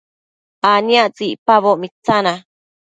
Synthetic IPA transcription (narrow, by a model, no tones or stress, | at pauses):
anĩãʔt͡siʔpaβoʔmĩt͡sanã